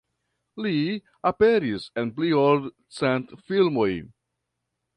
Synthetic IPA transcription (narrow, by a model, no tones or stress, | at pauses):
li | ape̞ɾise̞npliold | t͡sentfilmo̞j